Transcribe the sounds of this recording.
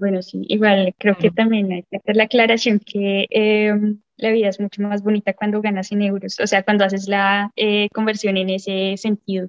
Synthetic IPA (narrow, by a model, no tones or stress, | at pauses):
bwenosḭḭɣwalkɾe̞oke̞t̪ambje̞najket̪alaklaɾasjo̞ŋkʰe̞em | laβiðae̞zmut͡ʃo̞mazbo̞nit̪akwand̪o̞ɣanasene̞wɾoso̰se̞akwand̪o̞as̬e̞zlaeko̞mbe̞ɾsjo̞ne̞ne̞se̞se̞nt̪̚iðo